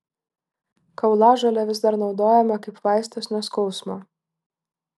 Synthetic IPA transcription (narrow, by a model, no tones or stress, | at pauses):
kɐʊlˠɑːʒɐlʲɛʋʲɪzd̪ɐɾnɒʊd̪oːjɛmʲɐkɐɪpʋɑˑɪsʲt̪ʲosʲnʲɛskɔʊsmoː